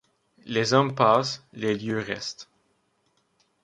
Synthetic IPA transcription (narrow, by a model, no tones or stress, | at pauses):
lezɔmpasleljøʁɛ̰st̪